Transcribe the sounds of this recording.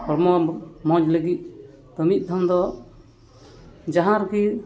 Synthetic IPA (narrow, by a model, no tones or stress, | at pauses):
ɔɾmɔmɔd͡ʒləɡit̪̚ˀ | t̪ɔmit̪̚ˀd̪ʱɔmd̪ɔ | d͡ʒaɦãɾki